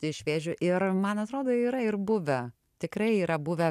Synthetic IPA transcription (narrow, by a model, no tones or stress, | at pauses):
ɪʃʲʋʲeːʒʲʊʔɪrmɐnɐt̪ɾoːd̪oːiːɾɐɪrbʊʋʲɛ | t̪ʲɪkrɐɪiːɾɐbʊʋʲɛ